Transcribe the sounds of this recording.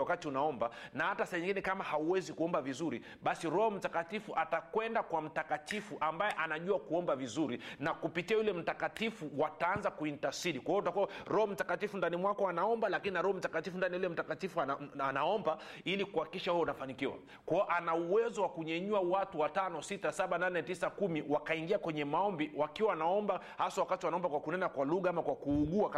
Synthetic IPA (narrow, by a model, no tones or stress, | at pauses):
wakatiunaɔmbanahatasɛɛɲiŋɡinɛkamahauwɛzikuɔmbavizuɾi | ɓasiɾɔhɔm̩takatifuʔatakwɛndakwam̩takatifuʔambajɛʔanaʄuakuɔmbavizuɾinakupitiajulɛm̩takatifuwataanzakuintasiɗikwaiɔtutakuwaɾɔhɔm̩takatifundanimwakɔanaɔmbalakininaɾɔhɔm̩takatifundanijulɛm̩takatifuaanaɔmba | ilikuhaki̥kiʃahɛjɔunafanikiwa̰ | kwaɔʔanauwɛzɔwakuɲɛɲuawatuwatanɔsitasaɓananɛtisakumiwakaiŋɡiakwɛɲɛmaɔmbiwakiwaanaɔmba | hasawakatiwanaɔmbakwakunɛnakwaluɠaamakwakuːɠua